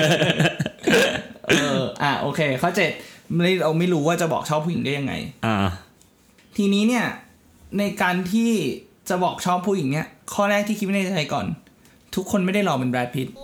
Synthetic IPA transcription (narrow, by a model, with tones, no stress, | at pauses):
ʔɤː˧ʔa˨˩ʔoː˧kʰeː˧kʰɔː˥˩t͡ɕe˨˩t̪̚a˥˩jɾa˧wma˥˩jɾuː˦˥waː˥˩t͡ɕa˨˩bɔ̰ː˨˩k̚t͡ɕʰɔː˥˩pʰːuː˥˩˨i˩˦ŋda˥˩ja˧ŋa̰˧jʔa˧˩ | t̪ʰiː˧niː˦˥ni˥˩ɐ | na˧jkaː˧nt̪ʰiː˥˩t͡ɕa˨˩bɔː˨˩k̚t͡ɕʰɔː˥˩pʰːuː˥˩ji˩˦ŋni˥˩ɐkʰɔː˥˩ɾɛː˥˩k̚t̪ʰiː˥˩˦m˥˩a˥˩a˧jkɔ̰ː˨˩n | t̪ʰu˦˥kʰːo˧nma˥˩jda˥˩jɾɔː˧pe˧nbɾɛː˦˥t̪̚pʰi˦˥t̪̚